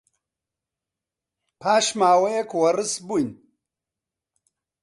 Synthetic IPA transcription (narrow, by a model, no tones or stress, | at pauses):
pʰaːʃmaːwɐjekwɐrɨsbujn